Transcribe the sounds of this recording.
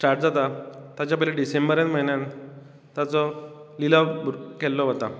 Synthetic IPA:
sʈaɾʈd͡zat̪at̪jat͡ɕjapəjleɖisembəɾjãnməɦinjan | t̪jat͡sɔlilakɛlːɔʋət̪a

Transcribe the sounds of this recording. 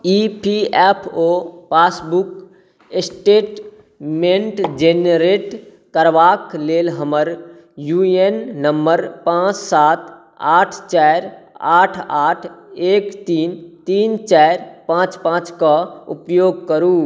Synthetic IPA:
ipʰiɛpʰoːpaːsbuk | esʈeːʈ | mẽɳʈd͡ʒenɾeːʈ | kəɾʋaːkleːlɦəməɾ | juenːəmbəɾpãːt͡ʃsaːt̪ | aːʈʰt͡ʃɛɾaːʈʰaːʈʰeːkt̪iːnt̪iːnt͡ʃaɾpãːt͡ʃpãːt͡ʃkaṵpjoːɡ̚kəɾuː

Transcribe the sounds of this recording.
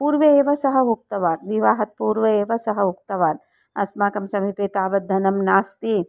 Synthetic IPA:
puːɾʋɐeːʋɐsɐɦɐɦuk̚t̪ɐʋaːɾʋiʋaːɦɐt̪̚puːɾʋɐeːʋɐsɐɦɐuk̚t̪ɐʋaːn | ɐsmaːkɐmsɐmipeːt̪aːʋɐt̪d̪ʱɐnɐmnaːst̪i

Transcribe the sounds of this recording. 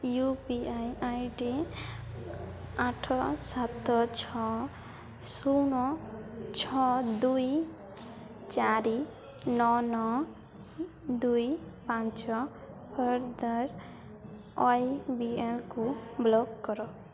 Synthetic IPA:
jupiajajɖi | aʈʰɔsat̪ɔt͡ʃʰɔ | suwnɔt͡ʃʰɔd̪uj | t͡ʃaɾi | nɔnɔ | d̪ujpãnt͡ʃɔ | pʰəɾd̪əɾ | ɔjbielkublɔkːɔɾɔ

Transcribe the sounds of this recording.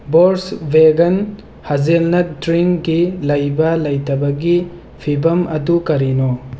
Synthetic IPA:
boɾsveɡɐn | hɐzelnɐk̚dɾiŋɡilɐjbɐlɐjtɐbɐɡi | pʰibɐmɐdukɐɾino

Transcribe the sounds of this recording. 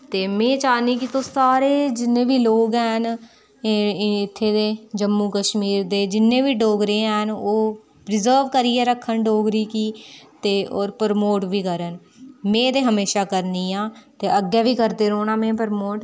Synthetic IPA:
t̪eːmẽːt͡ʃaːniːkɪt̪oːsaːɾeːd͡ʒɪnːẽːʋiːloːɡɛːn | ɪt̪ʰːeːd̪eːd͡ʒəmːũːkəʃmiːɾd̪eːd͡ʒɪnːẽːʋiːɖoːɡɾeːɛːnoː | pɾɪzəːɾʋkəɾiːɛːɾəkʰːənɖoːɡɾiːkiːt̪eːʔoːɾpəɾmoːʈʋiːkəɾən | mẽːd̪eːɦəmeːʃaːkəɾniːãːt̪eːəɡːɛːʋiːkəɾd̪eːɾoːɳãːmẽːpəɾmoːʈ

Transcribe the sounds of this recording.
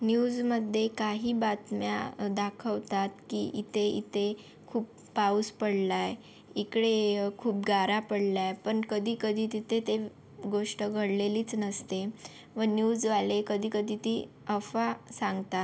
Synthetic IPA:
njuːd͡zməd̪ʱːjekaɦiːbat̪mja̰d̪akʰəʋt̪at̪kḭḭt̪ʰeḭt̪ʰe | kʰuːp | pauspəɽlaj | ikɽekʰuːp̚ɡaɾapəɽljajpəɳkəd̪ʱiːkəd̪ʱiːt̪it̪ʰet̪e | ɡoʂʈəɡʱəɽleliːt͡snəst̪e | ʋənjuːd͡zʋalekəd̪ʱiːkəd̪ʱiːt̪ḭː | əfasaŋɡt̪a

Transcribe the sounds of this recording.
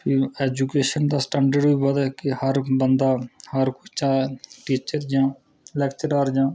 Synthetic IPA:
pʰieːd͡ʒukeːʃənd̪aːsʈɛ̃ːɳɖəɖbibəd̪ɛkihəɾbənd̪aːhəɾkʊt͡ʃt͡ʃaːʈiːt͡ʃəɾd͡ʒãː | lɛːkt͡ʃəɾaɾd͡ʒãː

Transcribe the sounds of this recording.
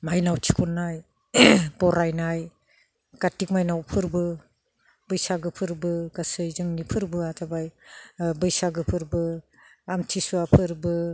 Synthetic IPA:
majnawtʰi̥kʰɔnːaj | bɔɾajnaj | ɡ̥atik̚majnawpʰɯɾbɯ | bɯjsaɡɯpʰɯɾbɯɡasɯjzɯŋnipʰɯɾbɯatabajbɯjsaɡɯpʰɯɾbɯ | amtʰisuapʰɯɾbɯ

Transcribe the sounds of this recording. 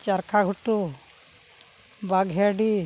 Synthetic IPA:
t͡ʃaɾkʰaɡʱuʈu | baɡɦɛaɖi

